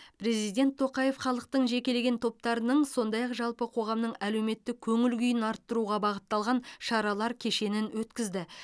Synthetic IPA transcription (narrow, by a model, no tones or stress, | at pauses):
pʰɾe̞zijd̪e̞nt̪ʰːo̞qɑje̞fχɑlˠəq̚t̪əɴʒe̞kʲe̞le̞ɡʲe̞nt̪ʰo̞p̚t̪ɑɾənəɴso̞nd̪ɑjɑqʒɑlˠpəqʰo̞ʁɑmnəɴæle̞wme̞t̪ːɪkʲʰɵŋɪlɡʲʏjɪnɑɾt̪ːəɾuʁɑbɑʁət̪ːɑlˠʁɑnʃɑɾɑlˠɑɾkʲʰe̞ʃe̞nɪnwɵt̪kʲɪzd̪ɪ